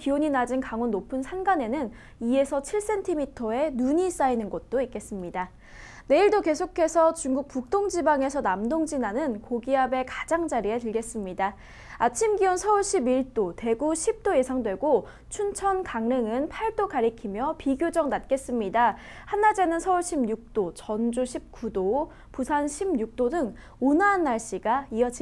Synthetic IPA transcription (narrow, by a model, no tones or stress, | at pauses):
pioɲinad͡ʑinkaŋonːopʰɯnsʰanɡane̞nɯn | ie̞sʰʌt͡ɕʰiɭs͈e̞ntʰimitʰʌe̞nuɲis͈ainɯnɡʌt̚t͈oik͈e̞s͈ɯmɲida | ne̞iɭdoke̞sʰokʰe̞sʰʌt͡ɕuŋɡuk̚p͈uk̚t͈oŋd͡ʑibaŋe̞sʰʌnamdoŋd͡ʑinanɯnkoɡiabe̞kḁd͡ʑaŋd͡ʑaɾietɯɭɡe̞s͈ɯmɲida | at͡ɕʰimɡiʌnsʰʌuɭɕʰibiɭt͈ote̞ɡuɕʰip̚t͈oje̞sʰaŋdwe̞ɡo | t͡ɕʰunt͡ɕʰʌnkaŋnɯŋɯnpʰaɭt͈okaɾikʰimjʌpiɡjod͡ʑʌŋnat̚k͈e̞s͈ɯmɲida | hanːad͡ʑe̞nɯnsʰʌuɭɕʰibɲuk̚t͈ot͡ɕʌnd͡ʑuɕʰip̚k͈udo | pusʰanɕʰibɲuk̚t͈odɯŋ | onanːaɭɕ͈iɡaiʌd͡ʑi